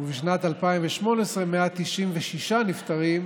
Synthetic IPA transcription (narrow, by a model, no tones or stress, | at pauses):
biʃnat̪alpaimveʃmo̞nesʁemeat̪iʃimveʃiʃanift̪aʁim